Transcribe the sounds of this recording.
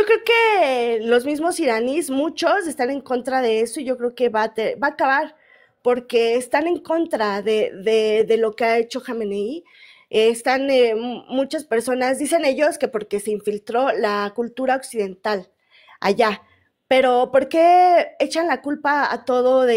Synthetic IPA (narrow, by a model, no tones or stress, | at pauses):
okɾe̞oke̞lo̞zmizmo̞siɾanismut͡ʃo̞se̞st̪ane̞ŋko̞nt̪ɾaðe̞e̞so̞iʝo̞kɾe̞oke̞βat̪ebaːkaβaɾ | po̞ɾke̞ːst̪ane̞ŋko̞nt̪ɾaðeðeðe̞lo̞keae̞t͡ʃo̞xamenei | est̪anemut͡ʃaspe̞ɾso̞nazd̪ise̞ne̞ʝo̞ske̞po̞ɾke̞se̞iɱfilt̪ɾo̞lakult̪uɾao̞ksiðe̞nt̪al | a̰ʝa | pe̞ɾo̞po̞ɾke̞e̞t͡ʃanlakulpaa̰t̪o̞ðo̞ðe